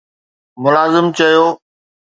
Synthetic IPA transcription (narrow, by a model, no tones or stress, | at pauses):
mʊlaːzɪmt͡ɕɐjoː